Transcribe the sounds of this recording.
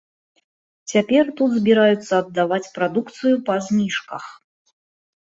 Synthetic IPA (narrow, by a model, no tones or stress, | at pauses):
t͡sʲapʲɛrt̪ut̪zʲbʲiɾajut̪sːɐːd̪ːavat͡sʲpɾad̪ukt̪sɨjupɐzʲnʲiʂkɐx